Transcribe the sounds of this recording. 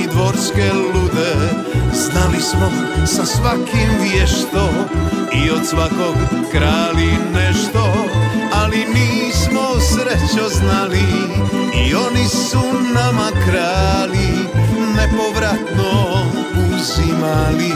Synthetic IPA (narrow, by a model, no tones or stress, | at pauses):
id̪ʋoɾskɛlud̪ɛ | znalismo | sasʋakimvjɛʃt̪oiot̪sʋakokːɾaːlinɛʃt̪oalimiːsmosɾɛt͡ʃoznali | ionisunamakɾaːli | nɛpoʋɾat̪no | uzimali